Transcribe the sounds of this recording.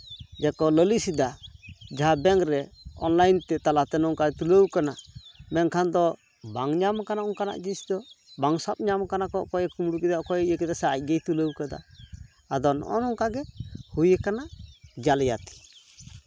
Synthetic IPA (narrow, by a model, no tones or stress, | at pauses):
d͡ʒɛkɔləlisid̪ad͡ʒaɦabɛŋɾɛɔ̰nlajnt̪ɛt̪alat̪ɛnɔŋkaɡɛt̪uləwkanaʔmɛnkʰand̪ɔ | baŋɲamkanaʔɔŋkana̰ʔd͡ʒisd̪ɔbaŋsap̚ɲamkanakɔʔkɔjɛkumɽukɛd̪aʔkɔjɛijəkɛd̪asaac̚ˀɡɛjt̪uləwkad̪a̰ː | d̪ɔnɔ̰nɔŋkaɡɛhujəkanaʔd͡ʒalja̰t̪i̥